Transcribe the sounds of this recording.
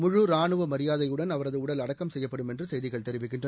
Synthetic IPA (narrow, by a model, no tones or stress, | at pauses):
mʊɻʊɾaːnɯʋɐmɐɾɪjaːðɐjɯɽɐnɐʋɐɾɐðɯʊɽɐlɐɽɐkːɐmsɛjːɐpːɐɽɯmɛndrɯsɛjðɪɣɐɭt̪ɛɾɪʋɪkːɪndrɐ